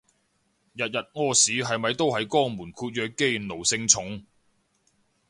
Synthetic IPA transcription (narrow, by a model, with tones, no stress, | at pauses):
jɐ˨t̚jɐ˨t̚ŋɔː˥siː˨˥ɦɐ˨jmɐ˨jt̪o˥wɦɐ˨jkɔː˥muː˨˩nkʰuː˧t̚jœː˨˧kːe˥jno˨˩wsɪ˧ŋt͡sʰʊ˨˥ŋ